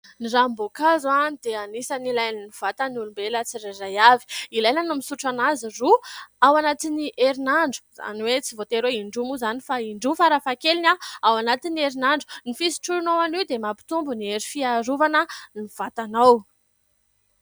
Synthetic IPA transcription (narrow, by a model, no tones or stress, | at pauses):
nirambokazanid̪̥eanisanilajniniv̥at̪anulumbelat͡siɾarajavi̥ilajnanumisuʈ͡ʂanaziruawanat̪iniʔeɾinaɳɖ͡ʐu̥za̰niwet͡sivot̪eɾeiɳɖ͡ʐumuzanifaiɳɖ͡ʐufaɾafakelinʲaawanat̪inieɾinaɳɖ͡ʐu̥nifisi̥ʈ͡ʂuɾunowaniwd̪emapi̥t̪umbunieɾifiaɾuvanəniv̥at̪anaw